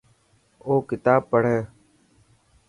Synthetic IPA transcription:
oːkɪt̪aːb̚pːəɽ̤eː

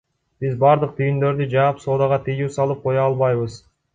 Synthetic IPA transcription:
b̥izbɑɾd̪ɯq̚t̪ʰyjynd̪ø̞ɾd̪yd͡ʒɑpso̞ːd̪ɑʁɑt̪ʰɯjuːsɑlˠɯp̚qʰo̞jɑlˠβɑjβɯz

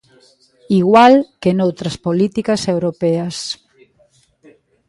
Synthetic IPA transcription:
iɣwalkenowt̪ɾɐspolit̪ikɐsewɾopɛɐs

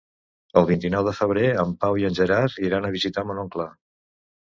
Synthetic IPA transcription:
əlˠβint̪inɔwðəfəβ̞ɾeəmpawiənʲʒəɾaɾiɾanəβizit̪amənoŋkla

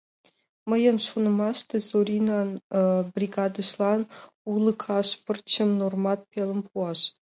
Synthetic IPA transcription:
mə̆jə̆nʂunɤ̆mɑʂt̪ɤzorʲinɑnbrʲiɡɑd̪ɤ̆ʂlˠɑn | ulˠɤ̆kʰɑʂpɨ̆rt͡ɕɘ̆mnormɑt̪̚pʲelʲˠə̆mpʰuɑʂ

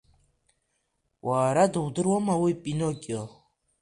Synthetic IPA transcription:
waːɾad̪owd̪ɨɾwɔmawopʼinokʲʼɔ

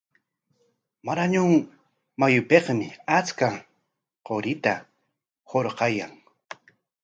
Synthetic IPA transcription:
maɾaɲʊŋ | majʊpeqmɪat͡ska | qoɾɪt̪a | hoɾqɑjaŋ

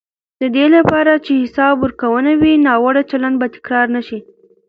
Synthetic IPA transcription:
d̪əd̪elapɑɾat͡ʃehɪsɑbəɾkawənawinɑwaɽat͡ʃaland̪bat̪ɪ̥kɾɑɾnaʃi

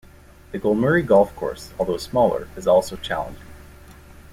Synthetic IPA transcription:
ðɨɡoʊlˠmɛɹiɡɔlˠfkʰɔ̰ɹsɔlˠðoʊsmɔlˠə̰˞ɨzɔlˠsoʊt͡ʃʰæ̰lˠə̰̃nd͡ʒɪ

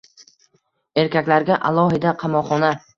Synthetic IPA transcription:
e̞ɾkʲakʲlaɾɡʲaʔalˠɒɦɪd̪aqʰɑmɒχɒna

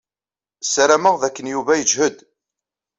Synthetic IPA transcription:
sɾæməʁðækːənjuvæjəd͡ʒhəd̪

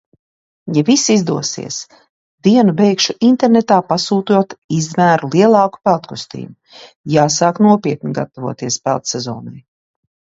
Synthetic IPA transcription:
jɛvisizd̪uɔsḭɛs | d̪̥iɛnubɛjkʃuʔint̪eɛɾnet̪aːpasuːt̪uɔt̪izmæːɾulˠiɛlˠɑːku̥pɛlˠt̪kust̪ḭːmu | jaːsaːknuɔpiɛt̪niɡa̰t̪avuɔt̪iɛspælˠt̪sɛzɔ̰ːnaj

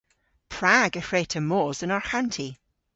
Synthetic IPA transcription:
pʰɹ̥aɡəfɹeːtʰəmɔːzənɔɹhantʰi

